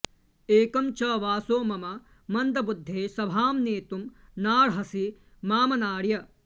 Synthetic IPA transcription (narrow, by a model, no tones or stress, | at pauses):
eːkɐmt͡ʃɐʋaːsoːmɐmɐ | mɐnd̪ɐbud̪ʱːeːsɐbʱaːmneːt̪um | naːɽɦɐsi | maːmɐnaːɽjɐ